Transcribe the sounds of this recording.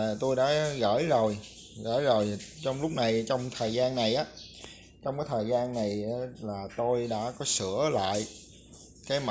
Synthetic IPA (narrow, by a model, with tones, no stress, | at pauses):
t̪o˧jɗa̰ː˧˥ɣə̰ː˧˥˩jzo˨˩j | ɣə̰ː˧˥jzo˨˩jt͡ɕɔ˧wŋ͡mlʊ˦˥k͡p̚na˨˩jt͡ɕɔ˧wŋ͡mt̪ʰəː˨˩jzaː˧nːa˨˩jʔaː˨˦ | t͡ɕɔ˧wŋ͡mkaː˨˦jt̪ʰəː˨˩jzaː˧nːa˨˩jlaː˨˩t̪o˧jɗa̰ː˧˥kɔ˨˦sɨ̰˧˩əla̰ː˧˨j | kaː˨˦jma˧